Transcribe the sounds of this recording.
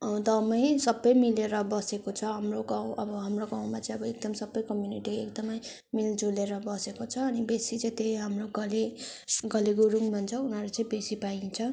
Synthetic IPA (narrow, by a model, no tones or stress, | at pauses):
d̪ʌmʌjsʌbːʌjmileɾʌbʌsekot͡sʰʌɦamroɡawʌbʌɦamroɡãw̃mat͡saĩʌbʌek̚d̪ʌmsʌbːʌjkʌmjuniʈiekd̪ʌmʌj | mild͡zuleɾʌbʌsekot͡sʰʌːnibesit͡sãĩt̪eɦamroɡʌleɡʌliɡuɾuŋmʱʌnt͡sʰʌunʌɾet͡sʌĩbesipaĩt͡sʰʌ